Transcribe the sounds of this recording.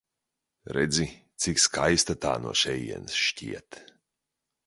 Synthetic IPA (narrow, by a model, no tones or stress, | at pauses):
ɾɛd̪zʲit̪sʲikskajst̪at̪a̰ːnṵɔʃɛjḭɛnsʃcḭɛt̪